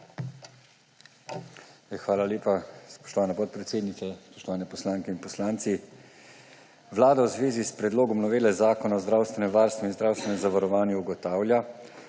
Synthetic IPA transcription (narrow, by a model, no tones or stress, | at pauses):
xʋaːlaljeːpaspɔ̥ʃt̪ɔʋaːnɛpɔt̪̚pɾɛt̪seːd̪nit̪sɛspɔʃt̪ɔʋaːnɛpɔslaːŋkɛinpɔslaːnt̪si | ʋlaːd̪awzʋeːzispɾɛd̪loːɡɔmnɔʋeːlɛzaːkɔnaɔzd̪ɾaːwst̪ʋɛnɛmʋaːɾst̪vʋɔinzd̪ɾaːwst̪ʋɛnɛmzaʋaɾɔʋaːnjuːɡɔt̪aːwlʲja